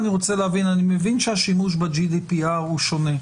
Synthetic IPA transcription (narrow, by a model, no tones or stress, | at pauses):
niʁo̞t͡seleavinanimevinʃeaʃimuʃ̬bad͡ʒid̪ipiaʁuʃo̞ne̞